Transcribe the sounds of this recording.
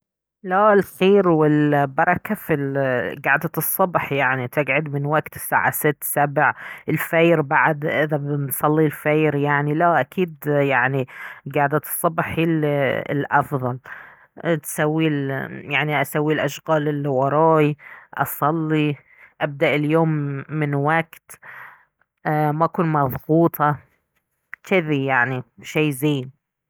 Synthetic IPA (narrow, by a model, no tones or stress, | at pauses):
laɪlxeːɾwɪlbɑɾˤɑkafilɡaʕd̪at̪ɨsˤːɑbħjaʕnit̪ʰɪɡʕʊd̪mɪnwaɡt̪sa̰ːʕa̰sɪt̪ːsabʕɪlfejɾbaʕd̪ʔɪðabsˤɑlːilfaːɾjaʕnilaʔakʰiːd̪jaʕniɡaʕd̪at̪ɨ̥sˤːɑbħil̰lʔɑfðˤɑl | t̪sawːiljaʕniʔasawːilʔaʃɣaːlɪlwɑɾˤɑːjʔɑ̰sˤɑlːi | ʔab̚d̪aʔɪljoːmːɪnwaɡt̪ | maʔkuːnmɑðˤɣuːt̪ʰˤɑ | t̪ɪðijaʕniʃaːzeːn